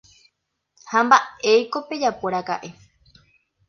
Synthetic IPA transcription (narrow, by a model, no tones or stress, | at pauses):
hambaejko̞pe̞d͡ʒapoɾaka̰ʔe̞